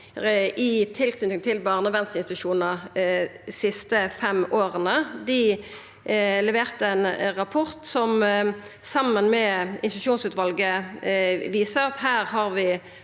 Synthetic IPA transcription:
ɪt̪ʰɪlk̪ʰʉɪŋt̪ʰɪlbɑːʁnəʋɛnst̪əɪnst̪ʃuːnə | sɪst̪əfɛmoːʁənəd̪ɪ | lɛʋeːʁt̪əɛnʁɑpʰɔʁt̪sɔm | sɑmːənmɛɪ̰nsɪt̪ʉ̥ʃuːnsʉːt̪ʋɑlɡə | ʋiːsəʁɑt̪hæːʁhɑʁʋɪ

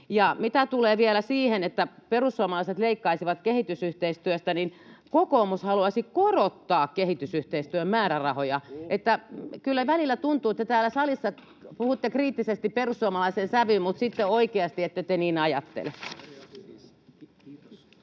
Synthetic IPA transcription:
jɑmit̪æt̪uleːʋielæsiːhenet̪ːæperusːuomɑlɑiset̪leikːɑisiʋɑt̪kehit̪ysyht̪eist̪yøst̪æninkokoːmushɑluɑsikorot̪ːɑːkkehit̪ysyht̪eist̪yømmæːrærɑhojɑʔet̪ːækylːæʋælilːˑæt̪unt̪uːet̪ːæt̪æːlːˑæsɑlisːɑ | puhut̪ːekriːt̪ːisest̪ipperussuomɑlɑisensæʋymmut̪sit̪ːeoikeɑst̪iet̪ːæt̪eniːnɑjɑt̪ːḛl

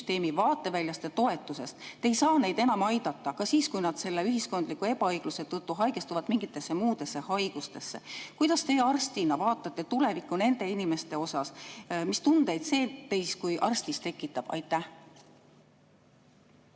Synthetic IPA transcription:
st̪e̞ːmivɑːt̪ːˑe̞vælʲjɑst̪et̪o̞e̞t̪ːˑuse̞st̪ːe̞jsɑːne̞jd̪e̞nɑmɑjd̪̥ɑt̪ˑːɑkɑsiːskujnɑd̪̥se̞lːe̞yɦisko̞nd̪̥likːˑue̞pɑɤjɡ̥luse̞t̪ɤt̪ːuɦɑjɡ̥e̞st̪uvɑt̪miŋɡ̥it̪ːˑe̞sːe̞muːd̪̥e̞sːe̞hɑjɡ̥ust̪e̞sːe̞̰kujd̪̥ɑst̪e̞ɑrst̪inɑvɑːt̪ːˑɑt̪ːe̞t̪ule̞vikːˑune̞nd̪e̞inime̞st̪e̞o̞sɑsmist̪und̪̥e̞jd̪se̞ːt̪e̞jskujʔɑrst̪ist̪e̞kːˑit̪ːˑɑb̥ɑ̰jt̪ːˑæh

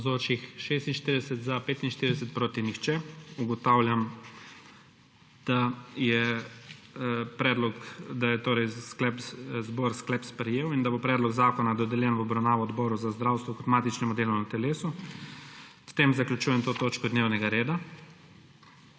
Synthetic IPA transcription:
zoːt͡ʃixʃeːst̪inʃt̪iɾid̪ɛsɛt̪zapeːt̪inʃt̪iɾid̪ɛsɛt̪pɾoːt̪inixt͡ʃɛuɡɔt̪awlʲjam | d̪̥ajɛ | pɾɛːd̪lɔkd̪ajɛt̪oːɾɛjsklɛpzboːɾsklɛpspɾɛjeːwind̪abopɾɛːd̪lɔɡzaːkɔnad̪ɔd̪ɛljɛnʋɔbɾawnaːʋɔːd̪bɔːɾuzazd̪ɾawst̪ʋɔkɔt̪maːt̪it͡ʃnɛmud̪eːlunat̪ɛleːsu | ft̪eːmzaklʲut͡ʃuːjɛmt̪oːt̪oːt͡ʃkɔd̪neːwnɛɡaɾeːd̪a

